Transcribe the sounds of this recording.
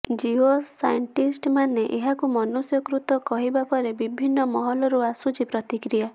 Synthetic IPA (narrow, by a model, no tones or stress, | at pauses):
d͡ʒiɦosajɔɳʈisʈmaneʔeɦakumɔnusjɔkɾut̪ɔkɔɦibapɔɾebibʱinːɔmɔɦɔlɔɾuasut͡ʃipɾɔt̪ikɾija